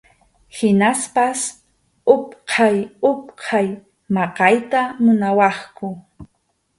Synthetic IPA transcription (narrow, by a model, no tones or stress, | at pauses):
hɪnaspas | ʊpqʰɑjʊp̚qʰɑj | mɑqɑjt̪amʊnawɑχkʊ